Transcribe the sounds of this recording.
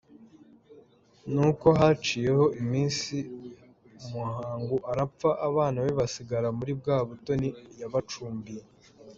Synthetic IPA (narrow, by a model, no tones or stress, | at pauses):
nuko̞ɦat͡ʃiːje̞ho̞ʔimiːnsi | muhaːŋɡuʔaɾap͡faʔaβaːnawiβasiɡaɾamuɾib̚ɡaːβuto̞nijaβat͡ʃuːmbije